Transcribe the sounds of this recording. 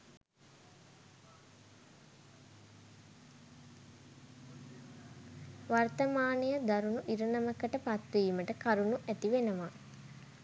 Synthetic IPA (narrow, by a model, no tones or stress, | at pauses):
ʋart̪əmaːnijəd̪aɾunuʔiɾənəməkəʈəpat̪ʋiːməʈəkaɾunuʔæt̪iʋenəʋa